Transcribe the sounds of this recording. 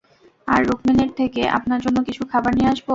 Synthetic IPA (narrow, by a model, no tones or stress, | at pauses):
aɾːukmineɾt̪ʰekeʔa̰pnaɾd͡ʑonːokit͡ɕʰukʰabaɾnieaʃbo